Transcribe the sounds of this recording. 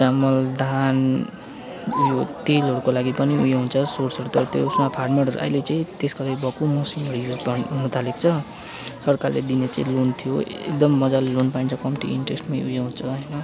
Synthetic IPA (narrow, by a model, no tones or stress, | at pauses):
ramʌld̪ʱan | ujot̪elɦoɽukolaɡipʌniujoɦunt͡sʰʌsorsʌɾut̪ʌt̪ousmapʰarʈmeʈɦʌɾṵʔa̰jlet͡sãĩt̪eskolaɡibʱʌkumusilʌɾujud͡zbʌnut̪ʰalekt͡sʰʌ | sʌrkarlḛd̪inet͡sa̰ĩlont̪ʰijoḛkd̪ʌmːʌd͡zallonpaint͡sʰʌkʌmʈḭḭɳʈresʈmaj̃ujoɦunt͡sʰʌɦʌjnʌ